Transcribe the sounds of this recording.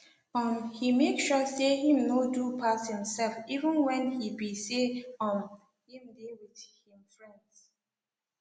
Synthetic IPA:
ɔ̃mhimekʃɔsehĩmnodupʰashĩmsɛlfivə̃nwɛ̃nhibiseɔ̃n | hĩmdewiðhĩmfɹɛ̃nds

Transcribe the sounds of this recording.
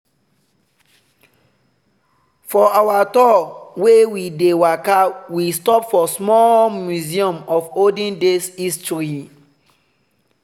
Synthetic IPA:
fɔawatɔwewidewakawistɔpfɔsmɔmjuziɔ̃mɔfodĩndesistɹi

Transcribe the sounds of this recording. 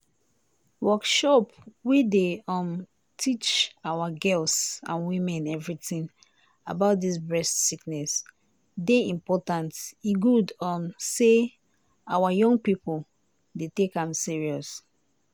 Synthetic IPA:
wɔkʃɔpwideɔ̃m | tʰit͡ʃawaɡɛlsã̰nwĩmɛ̃nɛvɹitĩŋ | a̰baʊt̚dis̬bɹɛstsiknɛs | deĩmpɔtãntiɡudɔmse | awajɔ̃ŋɡpipo | detekãmsiɹiɔs

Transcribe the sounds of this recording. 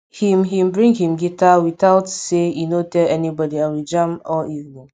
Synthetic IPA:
himɦĩm̩bɾĩŋɡɦĩmɡitawitaʊtsejinotɛlɛnibɔdiãnwid͡ʒãmɔʔivnĩŋ

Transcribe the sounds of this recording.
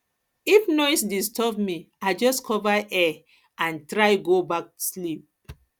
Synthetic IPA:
ifnɔɪsdistʰɔbmi | aɪd͡ʒɔskʰɔvaʔɛ | ãntɹaɪɡobak̚slip̚

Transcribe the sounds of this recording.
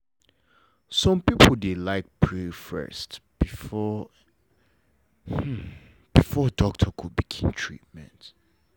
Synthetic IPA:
sɔ̃mpipʰl̩delaɪk̚pʰɹifɛ̰stb̥ifɔ | h̩ | b̥ifɔdɔk̚tʰəkʰud̚bikʰĩmtʰɹ̥ḭt̚mɛ̃nt

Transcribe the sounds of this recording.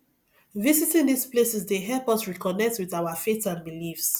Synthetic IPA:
vizitĩŋdisplesɛsdeɦɛlpɔsɹikɔnɛk̚twiðaʊafetsãnbilifs

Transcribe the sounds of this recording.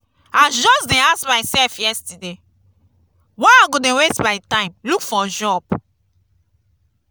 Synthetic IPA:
ad͡ʒɔsdɛ̃asmaɪsɛlfjɛstide | waaɡodɛ̃westbaɪtãɪ̃mlukfɔʒɔb

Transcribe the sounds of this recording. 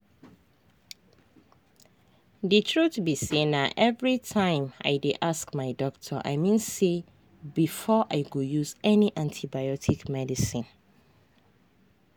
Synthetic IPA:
dɨtʰɹutbisĩnːaʔɛvɹitʰãɪ̃ma̰ɪdeʔaskmaɪdɔktʰɔʔa̰ɪmĩnse | bifɔʔaɪɡojuzɛniʔãntʰibaɪɔtʰikmɛdisĩn

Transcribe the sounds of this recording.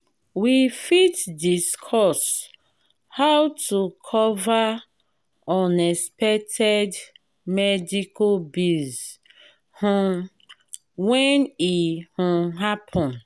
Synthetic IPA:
wifitdiskʰɔs | hawtʰukʰɔva | ɔ̃nɛspɛtʰɛd | mɛdikʰobiz | hũ | wɛ̃nihũɦapʰɔ̃n

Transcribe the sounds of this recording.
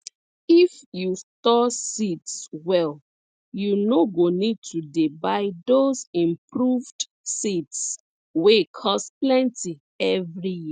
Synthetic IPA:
ifjutɔsitswɛl | junoɡonid̚tʰudebaɪdozĩmpɹuvd | sids | wekʰɔsplɛ̃nti | ɛvɹiji

